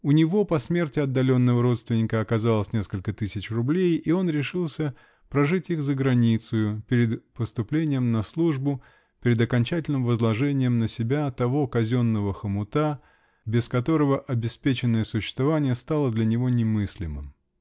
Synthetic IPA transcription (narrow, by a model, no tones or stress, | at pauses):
ʊnʲɪvo̞pɐsmʲe̞rtʲɪɐd̪ːɐlʲo̞nːəvəɾo̞t̪st̪vʲɪnʲɪkəɐkɐzalˠəsʲnʲe̞skəlʲkət̪ɨsʲɪt͡ɕrʊblʲejio̞nɾʲɪʂɨlˠsʲə | pɾɐʐɨtʲixzəɡɾɐnʲit̪sʊjʊpʲɪɾʲɪd̪pəst̪ʊplʲenʲɪjəmnɐslˠuʐbʊ | pʲɪɾʲɪd̪ɐkɐnʲt͡ɕætʲɪlʲnɨmvəzlˠɐʐɛnʲɪjəmnəsʲɪbʲat̪ɐvo̞kɐzʲo̞nːəvəxəmʊt̪a | bʲɪskɐt̪o̞ɾəvəʔɐbʲɪspʲet͡ɕɪnːəjəsʊɕːɪ̥st̪vɐvanʲɪjəst̪alˠəd̪lʲɐnʲɪvo̞nʲɪmɨsʲlʲɪmɨ̰m